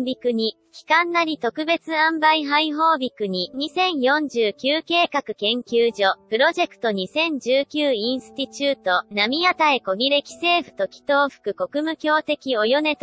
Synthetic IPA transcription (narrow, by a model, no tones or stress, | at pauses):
bʲikɯ̟ɲ̟i | kʲi̥kãnːaɾʲit̪o̞kɯ̟be̞t͡sɨãmbaiɦaiɦo̞ːbʲikɯ̟ɲ̟iɲ̟isẽ̞ɰ̃jõ̞ɲ̟d͡ʑɨːkʲɨːke̞ːkakɯ̟̥kẽ̞ŋkʲɨːʑo̞pɯ̟ɾo̞ʑe̞kɯ̟̥t̪o̞ɲ̟isẽ̞ɲ̟d͡ʑɨːkʲɨːĩɰ̃sɨ̥t̪ʲit͡ɕɨːt̪o̞namʲiat̪aeko̞ɡʲiɾe̞kʲi̥se̞ːɸɯ̟̥t̪o̞kʲi̥t̪o̞ːɸɯ̥kɯ̟ko̞kɯ̟mɯ̟kʲo̞ːt̪e̞kʲio̞jo̞ne̞t̪